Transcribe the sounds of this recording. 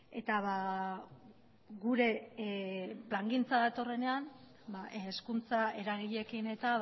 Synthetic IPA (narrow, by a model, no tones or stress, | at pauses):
e̞t̪aβa | ɣuɾe̞ | plaŋɡint͡saðat̪o̞re̞ne̞am | baʔskunt͡sae̞ɾaɣiʎe̞kine̞t̪a